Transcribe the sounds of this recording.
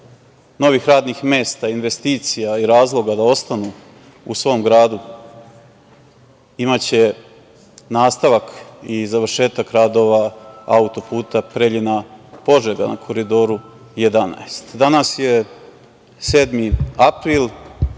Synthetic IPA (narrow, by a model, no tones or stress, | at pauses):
no̞ʋiːxɾaːd̪nixme̞ːst̪ainʋe̞st̪iːt̪sijaiɾaːzlˠo̞ɡad̪ao̞st̪anu | ṵsʋo̞ːmɡɾaːd̪u | imat͡ɕe̞ | naːst̪aʋakizaʋrʃe̞ːt̪akɾaːd̪o̞ːʋaa̰ut̪o̞puːt̪apɾeʎinapo̞ʒeɡa̰na̰kʰo̞ɾid̪o̞ɾu | je̞d̪ana̰est̪d̪anasje̞ | se̞ːd̪miapɾil